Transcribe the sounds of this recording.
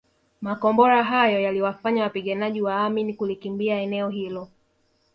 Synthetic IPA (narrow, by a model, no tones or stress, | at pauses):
makɔmbɔɾaɦajɔjaliwafaɲawapiɠanaʄiwaaminikulikimbiaɛnɛɔɦilɔ